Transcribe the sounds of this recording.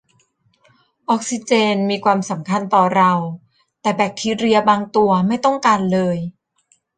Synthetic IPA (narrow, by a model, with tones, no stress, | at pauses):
ʔɔː˦˥k̚si˧t͡ɕeː˧nmiː˧kʰwaː˧msa˩˦mkʰa˧nt̪ɔː˨˩ɾa˧w | t̪ɛː˨˩bɛː˨˩k̚k̪ʰiː˧ɾi˧ɐbaː˧ŋt̪u˧ɐma˥˩jt̪ɔ˥˩ŋkaː˧nlɤː˧j